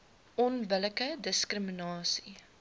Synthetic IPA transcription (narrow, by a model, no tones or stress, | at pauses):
ɔnbələkədəskrəminɑːsi